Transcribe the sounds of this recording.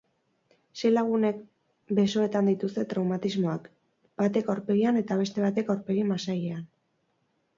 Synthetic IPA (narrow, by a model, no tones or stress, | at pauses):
se̞laɣune̞k | be̞so̞e̞t̪and̪it̪ust̪e̞t̪ɾawmat̪izmo̞ak | b̥at̪e̞kawɾpeɣiane̞t̪aβ̞e̞st̪e̞βat̪e̞kawɾpe̞ɣimasaje̞an